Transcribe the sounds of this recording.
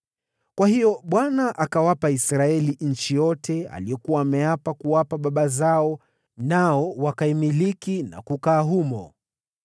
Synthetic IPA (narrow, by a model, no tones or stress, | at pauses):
kwahijɔɓwanaʔakawapaisɾaɛliɲ̩t͡ʃijɔtɛa̰lijɔkuwaːmɛjapakuwapaɓaɓazaɔ | naɔwakaimilikina̰kukaːɦumɔ̰